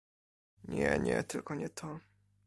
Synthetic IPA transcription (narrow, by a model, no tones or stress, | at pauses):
ɲɛɲɛt̪ɘlkɔɲɛt̪ʰɔ